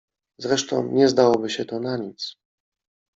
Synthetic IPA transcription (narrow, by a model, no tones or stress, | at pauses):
zɾɛʂt̪ɔ̰̃w̃ɲɛzd̪awɔbɘɕɛt̪ɔnaɲit̪s